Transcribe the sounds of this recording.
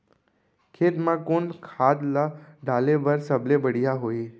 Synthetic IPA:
kʰet̪mãkonkʰad̪laɖ̪alebəɾsəblebəɽ̤ijaɦoi

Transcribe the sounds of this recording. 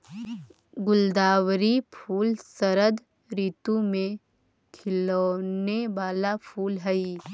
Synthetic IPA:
ɡʊld̪aːwɾipʰuːlsəɾəd̪ | ɾiːt̪umẽ | kʰɪloneʋaːlapʰuːlɦɛi

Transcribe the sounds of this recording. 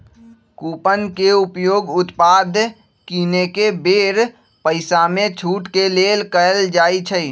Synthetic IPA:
kuːpənkeʊpjoːɡʊt̪paːd̪ʱ | kiːnekebeːɾ | pəɪsamẽt͡ʃʰuːʈkeleːlkəəld͡ʒaːit͡ʃʰəi

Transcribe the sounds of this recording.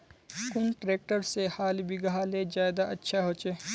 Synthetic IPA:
kʊnʈɾeːk̚ʈəɾsehaːlbiɡɐɦaled͡ʒaːjd̪aɐtːʃʰaɦoːt͡ʃeː

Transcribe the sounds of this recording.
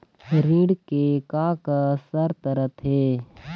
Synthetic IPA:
ɾĩːɽkekaːkasəɾt̪əɾət̪ʰɦeː

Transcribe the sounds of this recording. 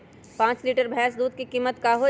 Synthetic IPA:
pãːt͡ʃliːʈəɾbʱɛːs̬d̪uːd̪̚kikiːmːət̪kaɦo

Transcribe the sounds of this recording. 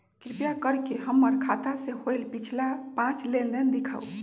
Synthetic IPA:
kɾipjakəɾkeɦəmːəɾkʰat̪asehojlpit͡ʃʰlapãt͡ʃleldənd̪ikʰa̰u

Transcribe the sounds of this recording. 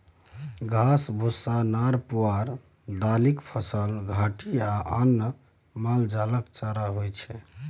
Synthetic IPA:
ɡʱasbʱusːanaɾpuaɾ | d̪alikpʰəsəlɡʱaʈiaʔanː | mald͡ʒaləkt͡ʃaɾaɦojt͡ʃʰɛ

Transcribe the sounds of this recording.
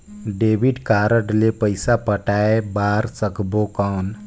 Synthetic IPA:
ɖebiɖkaɾəʈlepəjsapəʈaebaɾsəkbokan

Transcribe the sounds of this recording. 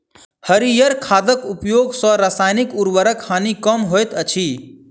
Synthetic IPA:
həɾijəɾkʰaːd̪əkʊpjoːɡsɔ̃ɾasaːjnikuɾʋəɾəkʰːaːnikəmɦojt̪ət͡ʃʰiː

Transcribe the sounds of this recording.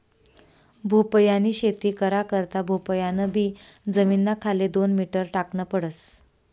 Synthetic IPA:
bʱupəjaniːɕet̪iːkəɾakəɾt̪abʱupəjanəbʱiːd͡zəminːakʰaled̪onmiʈəɾʈakɳəpəɽəs

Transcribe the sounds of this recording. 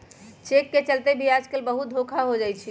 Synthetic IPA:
t͡ʃekːet͡ʃəlt̪ebʱiad͡ʒkəlbəɦut̪̚d̪ʱokʰaɦod͡ʒajt͡ʃʰi

